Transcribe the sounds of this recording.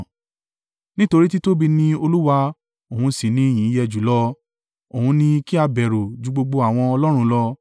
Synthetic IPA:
nĩ˦to˧ɾi˦ti˦to˦bi˧nĩ˧o˧lu˦wa˧ | o˨hũ˧si˨nĩ˧˦˨j̃ĩ˨˦jɛ˧d͡ʒu˨˦lɔ˧ | o˨hũ˧nĩ˧ki˦a˧bɛ˨ɾo˨d͡ʒu˨˧˦ɡ͡bo˧ɡ͡bo˧a˨w̃ɔ̃˧ɔ˧lɔ˦ɾ̃ũ˧˦lɔ˧

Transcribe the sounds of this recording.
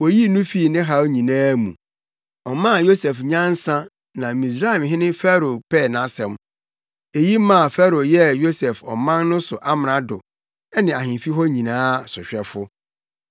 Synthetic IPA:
wɔ˨ji˦nũ˦fi˦˨nɪ̃˦ɦa˦wɲĩ˨nãː˦mṵ̃˨ | ɔ˨mã˦˨jo˦sɛ˨fɲã˦n̩˦sã˦ | nã˨mĩ˨s̬ɾa˦ɛ˨mɦɪ̃˦nɪ̃˦fɛ˦ɾo˨pʰɛː˦˨nã˨˦sɛ̃˨m | e˨ji˦mã˦˨fɛ˦ɾo˨jɛ˦jo˦sɛ˨fɔ˨mã˦nnʊ̃˦sʊ˨ʔa˦m˨nã˨˦dʊ˨ | ɛ˦nɪ̃˨a˨ɦɪ̃˨fi˦ɦɔ˦ɲĩ˨nãː˦sʊ˨ɕᶣɛ˦fʊ˦

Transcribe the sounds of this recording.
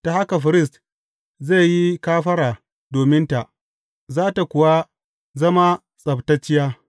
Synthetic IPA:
ta˨ha˦ka˨ɸɪ˨˦ɾɪ˦˨s̬t | ze˦˨ji˦kaː˦ɸɐ˦ɾaː˨ | doː˨mɪ˦nta˨ʔ | zaː˦ta˨kʷʊ˨wa˦ | zɐ˦ma˦ | sʼɐ˨btɐ˦t͡ʃːɪ˦jaː˦

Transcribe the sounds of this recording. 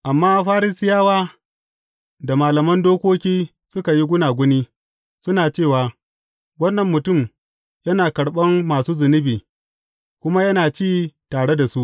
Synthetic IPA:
ʔa˨mːaː˦ɸaː˦ɾɪ˦sɪ˦jaː˦waː˦ | da˨maː˨lɐ˨mɐ˦ndoː˦kʷoː˦kʲiː˦ | sʊ˦ka˨ji˦ɡʷʊ˦naː˨ɡʷʊ˦niː˦ | sʊ˦naː˨t͡ʃeː˦˨waː˨ | wɐ˦nːɐ˨mːʊ˨tʊ˦˨m | jɐ˦naː˨kɐ˨ɽɓɐ˦mːaː˨suː˦zʊ˨nɪ˦biː˨ | kʷʊ˦ma˦jɐ˦naː˨t͡ʃiː˦˨taː˨ɽe˦da˨su˦ʔ

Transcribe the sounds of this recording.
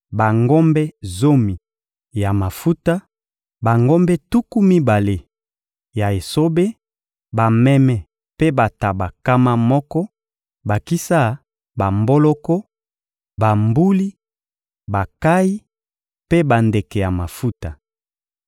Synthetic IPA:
ba˨ŋɡo˦mbɛ˦zo˦mi˨ | ja˨ma˨fu˦ta˦ | ba˨ŋɡo˦mbɛ˦tu˦ku˦mi˦ba˨le˨ | ja˨e˨so˦be˦ | ba˨mɛ˦mɛ˨ | pe˦ba˨ta˨ba˨ka˦ma˦mɔ˦kɔ˦ | ba˨ki˦sa˦˨ | ba˨mbo˦lɔ˦kɔ˦ | ba˨mbu˦li˦ | ba˨ka˦i˦ | pe˦ba˨nde˨kɛ˨ja˨ma˨fu˦ta˨

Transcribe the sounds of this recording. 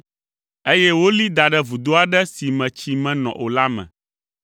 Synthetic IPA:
e˦jɛ˦wo˦li˦d̪a˨ɖɛ˦vu˨d̪o˦a˨ɖɛ˦si˨mɛ̃˨t͡ɕi˨mɛ̃˦nɔ̰̃˨ʔo˨la˦mɛ̰̃˨

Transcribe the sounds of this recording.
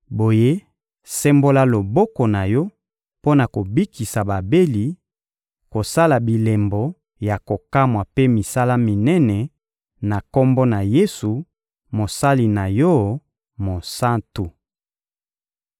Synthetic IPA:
bo˨je˦ | sɛ˦mbo˦la˦lo˨bɔ˦kɔ˨na˨jɔ˦ | po˦na˨ko˨bi˦ki˨sa˨ba˨be˦li˨ | ko˨sa˦la˨bi˨lɛ˨mbɔ˨ | ja˨ko˨ka˦mwa˨pe˦mi˨sa˦la˦mi˨nɛ˦nɛ˨ | na˨ko˦mbɔ˦na˨je˦su˨ | mo˨sa˦li˨na˨jɔ˦ | mo˨sa˦ntu˨

